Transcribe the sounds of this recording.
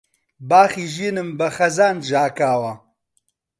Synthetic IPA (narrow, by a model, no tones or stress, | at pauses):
baːxiːʒiːnɨmbɐxɐzaːnʒaːkaːwɐ